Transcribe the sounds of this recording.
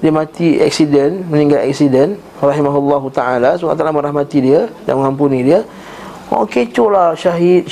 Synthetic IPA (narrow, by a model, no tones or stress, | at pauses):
diəmãt̪ia̰k̚sidənmənĩŋɡalɛ̰k̚sidən | raɦimaɦlːɔɦut̪aʔalasuka̰t̪alamə̃ɾahmat̪idiəda̰ŋməŋampunidiə | o̰ket͡ʃolahʃaɦit̪̚